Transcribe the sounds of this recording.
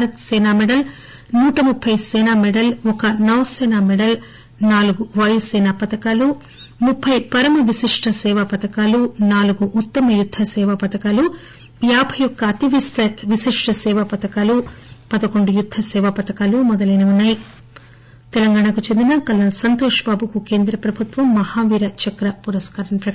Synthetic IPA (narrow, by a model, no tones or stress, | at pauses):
ɾɐt̪sɛːnaːmɛɽɐl | nuːʈɐmupʰːɐjsɛːnaːmɛɽɐlɔkɐnɐʋɐsɛːnaːmɛɽɐl | naːluɡuʋɐjusɛːnapɐt̪ɐkaːlu | mupʰːɐjpɐɾɐmɐʋisiʂʈʰɐsɛːʋɐpɐt̪ɐkaːlunaːluɡuʔːt̪ːɐmɐjud̪ʱːɐsɛːʋɐpɐt̪ɐkaːlu | jaːbʱɐjɔkːɐːt̪iʋisʋisiʂʈʰɐsɛːʋɐpɐt̪ɐkaːlupɐd̪ɐkoɳɖujud̪ʱːɐsɛːʋɐpɐt̪ɐkaːlumɔd̪ɐlɐjnɐunːaːji | t̪ɛlɐŋɡaːɳakut͡ʃend̪inɐkɐlːɐlsɐnt̪oːʂɐbaːbukuke̞ːnd̪ɾɐpɾɐbʱut̪ʋɐmːɐhaːʋiːɾɐt͡ʃɐkɾɐpuɾɐskaːɾɐɳɐpɾɐ